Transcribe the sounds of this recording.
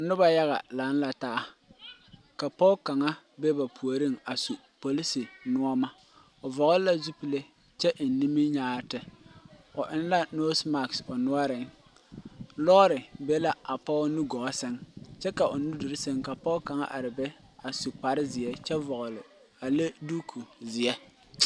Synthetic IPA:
nʊ˦ba˨ja˦ɣa̰˨la˨˦n˦la˨taː˦ | ka˨pɔ˦ka˨ŋa˦ | bɛ˦ba˨pʰu˨o˨ɾi˦ŋa˨su˨ | po˨li˦si˨nʊ˦ɔ˦ma˦ | ʊ˨vɔ˨ɣʊ˦lla˦zu˦pi˨le˦ | t͡ʃɛ˦ʔn˨ni˦mi˦ɲaː˦ɾtɪ˨ | ʊ˨ʔɪ˦n˦la˦no˦sma˨ksʊ˨nʊ˦ɔ˦ɾɪ˨ŋ | lɔ˦ɾɪ˨bɛ˦la˦ʔa˨pɔ˦nu˦ɡɔ˨˦sɪ˦ŋt͡ʃɛ˦ka˨ʔʊ˨nu˦du˨ɾɪ˦se˦ŋka˨pɔ˦ka˨ŋa̰˦ʔa˨ɾɪ˨bɛ˦ | a˨su˨k͡pa˨ɾɪ˦zɪ˨ɛ˦t͡ʃɛ˦vɔ˨ɣʊ˨lɪ˨ | a˨le˦du˦kʰu˨zɪ˨ɛ˦

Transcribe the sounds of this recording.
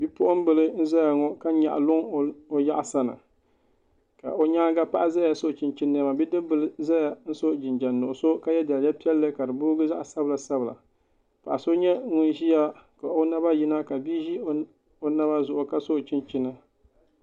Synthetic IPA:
bi˦pʊ˦ʔʊ˦m̩˦bɨ˦lɨ˦n̩˦za˦ja˨ŋɔ˦ka˦ɲa̰˨ʔa̰˨lʊ˦ŋo˦ja˦ʔa˨sa˦nɨ̰˨ | ka̰˨ʔo˦ɲaː˦ɡa˦pa˦ʔza˦ja˨so˦˨t͡ʃɪ˦nt͡ʃi˦nː˦ma˨bi˦dɨ˦bɨ˦lɨ˦za˦ja˨n̩˦so˦d͡ʒɪ˨nd͡ʒa˨nːʊ˨ʔʊ˨so˦ka˦jɛ˦da˨lja˦pi˦ɛ˦lːɨ˦ka˨dɨ˨bʊ˦ɡɨ˦za˦ʔsa˦bɨ˨la˨sa˦bɨ˨la̰˨ | pa˨ʔa˨so˦ɲɛ˦ŋʊ˦nʒi˦ja˦ka˨ʔo˦na˦ba˦ji˦na˦ka˨bi˦ʒi˦ | o˦na˦ba˦zʊ˨ʔʊ˨ka˦so˦˨t͡ʃi˦nt͡ʃi˦nɨ˦

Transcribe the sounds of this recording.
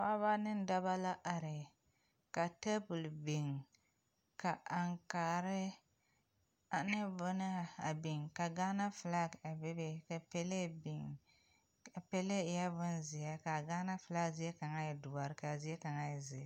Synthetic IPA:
fa˦βa˦nɨ˦n˦da˦ba˦la˦ʔa˨ɾɪ˨ | ka˨te˦bʊ˨lbi˨ŋ | ka˨ʔa˨ŋkaː˨ɾɪ˦ | a˨nɨ˦bʊ˦na˦a˨bi˨ŋka˨ɡaː˦na˦fla˦ɡa˨be˦be˦ka˨pe˦le˦bi˨ŋ | a˨pe˦le˦˨ja˦bʊ˦nzi˨ja˦ka˨ɡa˦na˦fla˦˨zi˦jɛ˦ka˨ŋa˦ja˨dʊ˨ba˨ɾɪ˦ka˨zi˦ɛ˦ka˨ŋa˦jɛ˨zɪ˨˦

